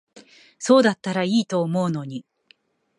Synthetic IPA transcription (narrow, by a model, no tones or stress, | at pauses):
so̞ːd̪at̪ːaɾaiːt̪o̞ːmo̞ɯ̟no̞ɲ̟i